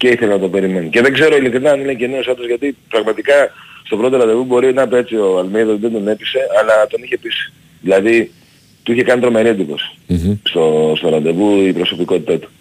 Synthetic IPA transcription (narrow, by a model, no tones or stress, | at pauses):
ce̞iθe̞lenɐt̪o̞pe̞ɾime̞nice̞ðeɡze̞ɾo̞ilikɾinɐnileceneosɐd̪ozʝɐt̪ipɾɐɣmɐt̪ikɐst̪o̞pɾo̞t̪o̞ɾɐnd̪e̞vubo̞ɾinɐpet͡sio̞ɐlmeðozðed̪o̞ne̞pise̞ɐlɐt̪o̞niçe̞pisi̥ | ðilɐði | t̪uiçe̞kɐnit̪ɾo̞me̞ɾit̪ipo̞si̥st̪ost̪oɾɐd̪e̞vuipɾo̞so̞piko̞t̪it̪ɐt̪u̥